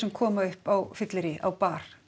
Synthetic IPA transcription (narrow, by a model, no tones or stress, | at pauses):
sɛmkʰɔːmaʏhpawfɪt̪lɪɾɪʔa̰wpaːɾ̥